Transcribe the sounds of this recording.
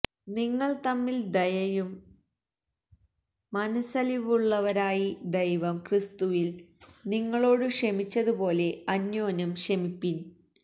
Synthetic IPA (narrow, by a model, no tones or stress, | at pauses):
niŋːɐɭt̪ɐmːild̪ɐjɐjum | ɐnɐsɐliʋuɭːɐʋɐɾaːjid̪ɐjʋɐmkrist̪uʋilniŋːɐɭo̞ːɽɨʂɐmit͡ɕːɐðupo̞ːle̞ɐnːjo̞ːnɐmʂɐmipːin